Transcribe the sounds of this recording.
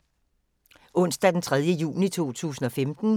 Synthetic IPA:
ʔɔ̽n̰sd̥æd̥ent͡sʰʁað̞ˠjəjṵːnit͡sʰo̝̰ːt͡sʰṵːsn̩ɒ̽femd̥n̩

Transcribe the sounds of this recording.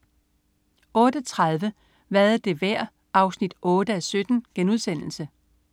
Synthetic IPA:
ɔ̽ːd̥ət͡sʰʁɑðˠʋə | ʋæɐð̩ˠd̥e̝ʋæɐ̰ | ʔɑ̈ʊsnid̥ʔɔ̽ːɾ̥əæsød̥n̩ɡ̥enuð̞̰ˠsen̰l̩sə

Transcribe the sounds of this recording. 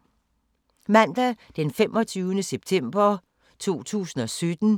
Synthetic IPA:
mæn̰d̥æd̥enfemʔɒ̽t͡sʰyːʊnəseb̥̚t͡sʰem̰b̥ɐ | t͡sʰo̝̰ːt͡sʰṵːsn̩ɒ̽sød̥n̩

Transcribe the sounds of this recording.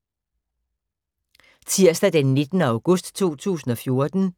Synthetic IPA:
t͡sʰiɐ̰sd̥æd̥enːe̝d̥nəɑ̈ʊɡ̥ɔsd̥t͡sʰo̝̰ːt͡sʰṵːsn̩ɒ̽fjo̝ɐd̥n̩

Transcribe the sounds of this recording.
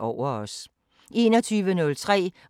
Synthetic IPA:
ɒʊ̰ɐɒ̽s | ʔe̝̰ːnɒ̽t͡sʰyːʋənɔ̽lt͡sʰʁɛ̰ː

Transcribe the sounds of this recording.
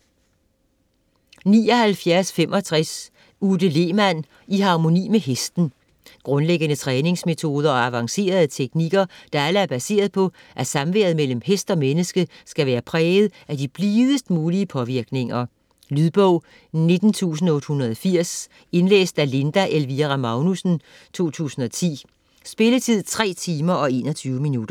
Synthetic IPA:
nḭːɒ̽hælfjæɐsfemʔɒ̽t͡sʰʁas | ud̥əle̝ːmæn̰ | iɦɑ̈mo̝nḭːmeɦesd̥n̩ | ɡ̥ʁɔ̽nleɡ̥ənət͡sʰʁɛːne̝ŋsme̝t͡sʰo̝ːð̞ˠɐɒæʋɑ̈ŋse̝̰ːɐð̞ˠt͡sʰeɡ̥niɡ̥ɐd̥ɑ̈æləæɐb̥æse̝̰ːɐð̞̩ˠpʰɒ̽ʔæɐsɑ̈mʋeɐð̩ˠmel̰m̩hesd̥ɒ̽menəsɡ̥əsɡ̥æʋæːɐpʰʁɛːð̞̩ˠæd̥ib̥liːð̞ˠəsd̥muːliəpʰɒ̽ʋiɐɡ̥ne̝ŋɐ | lyðˠb̥ɔʊ̰ | ne̝d̥n̩t͡sʰṵːs̬n̩ɔ̽d̥hunɐðˠɒfiɐ̰s | e̝nlḛːsd̥æle̝nd̥æʔelʋiʁɑmɑ̈ʊnusn̩ | t͡sʰo̝̰ːt͡sʰṵːsn̩ɒ̽t͡sʰḭː | sb̥e̝lət͡sʰið̞̰ˠt͡sʰʁɛ̰ːt͡sʰiːmɐʔɒ̽e̝̰ːnɒ̽t͡sʰyːʊəminud̥ɐ

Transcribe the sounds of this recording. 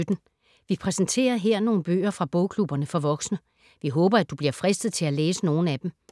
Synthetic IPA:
ød̥n̩ | ʋipʰʁɛsn̩t͡sʰe̝̰ːɐɦeɐ̰no̝ːn̩b̥ø̰ːɐfʁɑ̈b̥ɔ̽ʊkʰlub̥ɐnəfɒ̽ʋɒ̽ɡ̥snə | ʋiɦɔ̽ːb̥ɐæd̥ub̥liɐfʁɛsd̥ð̩ˠt͡sʰe̝læleːsəno̝ːn̩æd̥em

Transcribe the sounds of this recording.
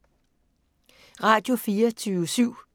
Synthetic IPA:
ʁɑ̈ːd̥jo̝fiːɐt͡sʰyːʊsyʊ̰

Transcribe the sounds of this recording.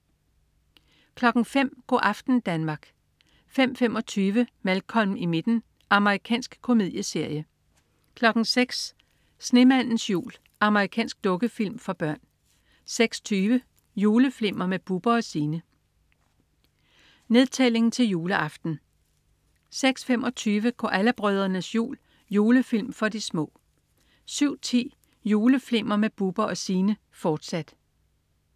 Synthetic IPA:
kʰlɒ̽ɡ̥ŋ̩fem̰ɡ̥ɒ̰ːʔɑ̈fd̥n̩d̥ænmɑ̈ːɡ̥ | fem̰fem̰ɒ̽t͡sʰyːʋəmælkʰɒ̽n̩ime̝d̥n̩ | ɑ̈məʁikʰɛ̰ːnsɡ̥kʰo̝me̝ð̞̰ˠjəse̝ɐ̰jə | kʰlɒ̽ɡ̥ŋ̩seɡ̥s | sne̝mæn̰n̩sjṵːl | ɑ̈məʁikʰɛ̰ːnsɡ̥̚d̥ɔ̽ɡ̥əfil̰mfɒb̥ɶɐ̰n | seɡ̥sɒ̥t͡sʰyːʋə | juːləfle̝m̰ɐmeb̥ub̥ɐɒ̽siːnə | ne̝ðˠt͡sʰele̝ŋn̩t͡sʰe̝ljuːləʔɑ̈fd̥n̩ | seɡ̥sfem̰ɒ̽t͡sʰyːʋəɡ̥ɒ̰ʔæləb̥ʁœð̞ˠɐnəsjṵːl | juːləfilmfɒ̽dismɔ̰̽ː | syʊ̰t͡sʰḭː | juːləfle̝m̰ɐmeb̥ub̥ɐɒ̽siːnə | fɒːd̥sæd̥

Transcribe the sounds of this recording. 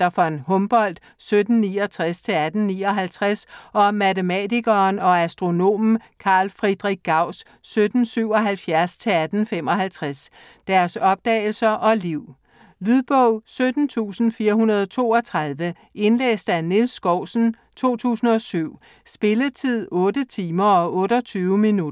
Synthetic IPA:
d̥ɑfɒ̽nhɔ̽mb̥ɒ̽l̰d̥ | sød̥n̩niːɒt͡sʰʁast͡sʰe̝æd̥n̩niːɒ̽ɦælt͡sʰʁasɒ̽mæt͡səmɛdiɡ̥ɐːnɒ̽æsd̥ʁo̝no̝̰ːm̩kʰɑ̈ːlfʁid̥ʁiɡ̥̚ɑ̈ʊ̰sː | ød̥n̩syʊ̰ɒ̽ɦælfjæɐst͡sʰe̝æd̥n̩fem̰ɒ̽ɦælt͡sʰʁas | d̥æɐsɒ̽b̥̚d̥ɛ̰ːɪl̩sɐʔɒ̽liʊ̰ | lyðˠb̥ɔʊsød̥n̩t͡sʰṵːsn̩fiːɐɦunɐð̞ˠɒt͡sʰo̝̰ːɒ̽t͡sʰʁɑ̈ðˠʋə | ʔe̝nlḛːsd̥ænilsːɡ̥ɒʊ̰sn̩ | t͡sʰo̝̰ːt͡sʰṵːsn̩ɒ̽syʊ̰ | sb̥e̝lət͡sʰið̞̰ˠɔ̽ːdət͡sʰiːmɐɒ̽ʔɔ̽ːɾɒt͡sʰyːʊminud

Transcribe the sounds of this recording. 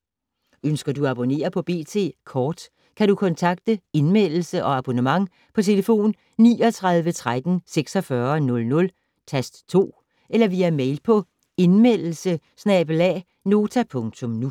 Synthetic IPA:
ønsɡ̥ɐduɑb̥o̝ne̝̰ːɐpʰɒ̽b̥e̝̰ːt͡sʰe̝̰ːkʰɒːd̥ | kʰæɾukʰɒ̽nt͡sʰɑ̈ɡ̥̚d̥əe̝nmel̰l̩səʔɒ̽ɑb̥o̝nəmɑ̈ŋ | pʰɒ̽t͡sʰe̝ləfo̝̰ːnː | ḭːɒ̽t͡sʰʁɑ̈ðˠʋət͡sʰʁad̥n̩seɡ̥sɒ̽fɶɐnɔ̽lnɔ̽l | t͡sʰæsd̥t͡sʰo̝̰ː | ʔelɐʋiːæmeɪlpʰɒ̽ | e̝nmel̰l̩sə | snɛb̥əlɛ̰ | no̝ːt͡sʰæpʰɔ̽ŋt͡sʰɔ̽mnu

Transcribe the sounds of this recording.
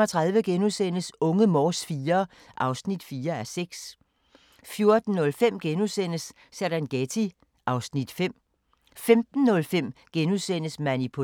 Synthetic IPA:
ɒt͡sʰʁɑ̈ðˠʋəɡ̥enusen̰əsɔ̽ŋəmɒːsfiːɐ | ʔɑ̈ʊsnid̥fiːɐæɐseɡ̥s | fjo̝ɐd̥n̩ːɔ̽lfem̰ɡ̥enusen̰əsː | æɾ̥ænɡ̥et͡sʰi | ʔɑ̈ʊsnid̥fem̰ | femd̥n̩ːɔ̽lfem̰ɡ̥enusen̰əsmænipʰo

